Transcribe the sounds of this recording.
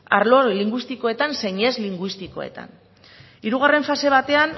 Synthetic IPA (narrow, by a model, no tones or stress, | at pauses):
a̰ɾlo̞liŋɡwist̪iko̞e̞t̪anse̞ɲe̞zliŋɡwist̪iko̞̰e̞̰t̪a̰n | iɾuɣ̞are̞ɱfase̞β̞at̪e̞an